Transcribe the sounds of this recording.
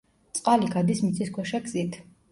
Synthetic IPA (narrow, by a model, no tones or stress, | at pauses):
t̪sʼqʼaliɡad̪ismit̪sʼiskʰwɛʃaɡz̥it̪ʰ